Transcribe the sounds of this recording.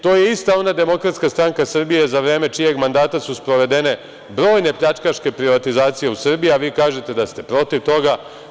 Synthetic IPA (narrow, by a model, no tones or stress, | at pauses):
t̪o̞ːjeist̪ao̞nad̪e̞mo̞kɾat̪skast̪ɾaŋkasrbije̞zaʋɾe̞ːme̞t͡ʃije̞ɡmand̪aːt̪asuspɾo̞ʋe̞d̪e̞ne̞ | bɾo̞ːjne̞pʎat͡ʃkaʃke̞pɾiʋat̪izaːt̪sije̞usr̩bijiaʋiːkaːʒe̞t̪e̞d̪ast̪e̞pɾo̞t̪iʋt̪o̞ɡa